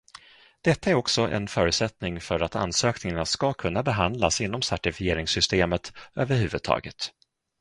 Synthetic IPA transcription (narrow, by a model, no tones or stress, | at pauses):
d̪̥ɛt̪ːaæɾɔksɔʔɛ̰nfœːɾʉ̟ːt̪sɛt̪nɪŋfœɾat̪ʰa̰nsøːknɪŋanaskakʰɵnːabɛɦand̪lasɪnːɔmsæʈɪfɪjeːɾɪŋsʏst̪eːmət̪øːvəɾhʉ̟ːvɵd̪̚t̪ʰɑ̰ːɡət̪